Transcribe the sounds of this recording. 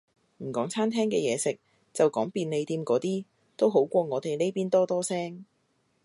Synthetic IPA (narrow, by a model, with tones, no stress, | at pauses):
m̩˨˩kɔː˨˥ŋt͡sʰaː˥nt̪ʰɛː˥ŋkɛː˧jɛː˨˧sɪ˨k̚ | t͡sɐ˨wkɔː˨˥ŋpiː˧nle˨˧jt̪iː˧mkɔː˨˥t̪iː˥ | t̪o˥wɦo˨˥wkʷɔː˧ŋɔː˨˧t̪e˨˩jle˥jpiː˥nt̪ɔː˥t̪ɔː˥sɛː˥ŋ